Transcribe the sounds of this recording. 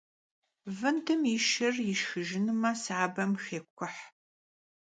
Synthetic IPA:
vɨntʰɨmɪʃɪrjɪʃxɨʒɪnɨmɐsaːbɐmxeːkʷʰʊħ

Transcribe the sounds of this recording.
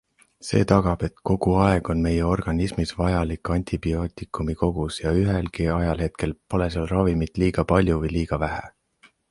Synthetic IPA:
se̞̰ːt̪ɑɡ̥ɑb̥e̞t̪ko̞ɡ̥uɑe̞ɡ̥o̞nme̞jeo̞rɡ̥ɑnismisvɑjɑlikːˑɑnʲt̪ʰʲib̥io̞ːt̪ˑikˑumiko̞ɡ̥usjɑyɦelkiɑjɑlhe̞t̪̚ke̞lpo̞le̞sɑlrɑvimit̪ˑliːɡ̥ɑpɑlʲjuvɤjliːɡ̥ɑvæɦæ̰

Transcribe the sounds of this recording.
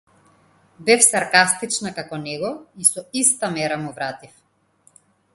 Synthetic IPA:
bɛfsaɾkast̪it͡ʃnakakɔnɛɡɔisɔist̪amɛɾamuvɾat̪if

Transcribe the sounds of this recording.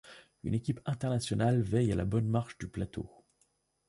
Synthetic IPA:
y̰nekʲipɛ̃t̪ɛʁnasjɔnalvɛjala̰bɔnmaʁʃd̪yplat̪o̰

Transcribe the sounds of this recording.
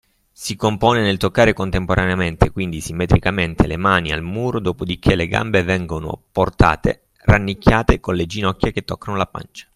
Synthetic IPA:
sikompɔːnenelt̪okːaːɾekont̪empoɾaneament̪ekwind̪isimːɛt̪ɾikament̪elemaːnia̰lmuːɾod̪oːpod̪ikʰelːeɡa̰mbevɛŋɡono̰port̪a̰ːt̪ḛ | ranːikʰʲːjaːt̪ekonled͡ʒinɔkʲːjek̟et̪ːɔkːanolapa̰nt͡ʃḁ

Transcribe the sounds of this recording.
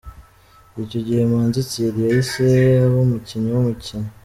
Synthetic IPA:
ico̞ɟihe̞mwaːnzit͡siɾijaiseaβomuciɲawumuciɲo

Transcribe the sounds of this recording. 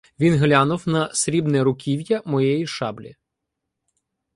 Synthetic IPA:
ʋʲinɦlʲanʊwnɐsʲɾʲibnɛɾʊkʲiwjɐmɔjɛjiʃɑblʲḭ

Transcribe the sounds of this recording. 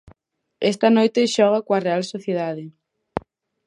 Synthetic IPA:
ɛst̪ɐnojt̪eʃɔɣ̞akwarealsoθjeðaðɪ

